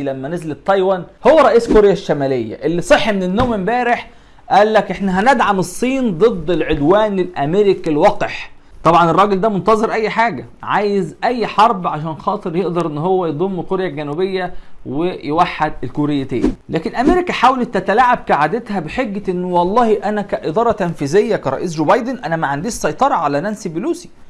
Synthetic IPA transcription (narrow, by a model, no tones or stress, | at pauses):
læmːænezlet̪ˤːɑjwænhowːæɾˤɑʔiːskoɾejæʃːæmæːlejːæ̰ʔelːisˤeħːmenenːoːmembæːɾeħ | ʔæːlːækʔeħnæɦænæd̪ʕamesˤːiːnd̪ˤɨd̪ˤːelʕod̪wæːnelʔæmeɾikilwɑqħ | t̪ˤɑbʕɑnerˤːɑːɡeld̪æmont̪ɑzˤeɾʔæjːħaːɡæ | ʕaːjezʔæjːħɑɾˤbʕaʃ̬æːnxɑːt̪ˤɨɾjeʔd̪ɑɾˤʔenːɦowːæjed̪ˤomːkoɾjælɡænubejːæwejewaħːad̪elkoɾejːæt̪æ̰ːnilæːkenʔæmeɾikæħaːwlet̪ːæt̪ælaʕːab̚kaʕad̪et̪hæbeħeɡːæʔenːwɑlˤːɑːhiʔænækæʔed̪ˤɑːɾˤɑt̪ænfiːzejːækæɾˤɑ̰ʔiːs̬d͡ʒoːbɑjd̪enʔænæmæʕand̪iːʃsˤɑjt̪ˤɑɾˤɑʕalænænsibɪluːsi̥